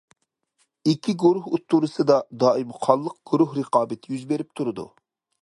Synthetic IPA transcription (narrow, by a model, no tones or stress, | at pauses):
ikʲʰiɡuɾuhut̪ʰːuɾɨsɨd̪ɑd̪ɑːimɨqʰɑlˠːəq̚ɡ̥uɾuɦɾəqɑːbɪt̪ʰɪjyzbeɾɪp̚t̪ʰuɾɨd̪ṵ